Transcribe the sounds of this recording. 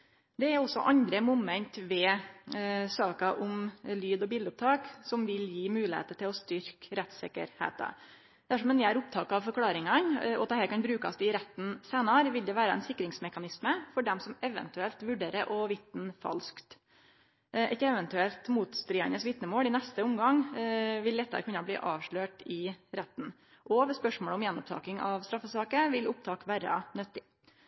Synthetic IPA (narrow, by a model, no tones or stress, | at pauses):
d̪ɛæɾɔsːɔ̰ʔɑnd̪ɾəmʊmɛnt̪ʋɛ | sɑːkɑʔʊmlyːd̪ɔbɪld̪əʊp̚t̪ʰɑːksɔmʋɪljiːmʉːlɪhḛːt̪əʈ̪ɪlɔst̪ʏɾkɾɛt̪sɪkə̰ɾhḛːt̪ɑ̰ | d̪æʂɔmɛnjæɾʊp̚t̪ʰɑːkɑɑʋfɔɾkʰlɑːɾɪŋɑnɔt̪ɛhæːɾkʰɑnbɾʉːkɑst̪ɪɾɛt̪nseːnɑɾʋɪld̪ɛʋæːɾəɛ̰nsɪkːɾɪŋsmɛkɑnɪsməfɔɖɛmsɔmɛʋə̰nt̪ʉɛlt̪ʋʉɖeːɾəɾʔɔʋɪt̪n̩fɑ̰lskt̪ | ɛt̪ɛʋənt̪ʉɛlt̪muːt̪st̪ɾiːɛnəsʋɪt̪nəmoːlɪnɛst̪əʊmɡɑŋʋɪld̪ɛt̪ːɑ̰ɾkʰʉnːɑblḭːʔɑːʋʂɭøːʈɪɾɛt̪ːn̩ | ʔɔʋɛspœʂmoːɭəɔmjɛnːɔp̚t̪ʰɑ̰ːkɪŋɑʋst̪ɾɑfːəsɑːkəʋɪlʊp̚t̪ʰɑːkʋæːɾɑ̰nœt̪ːɪ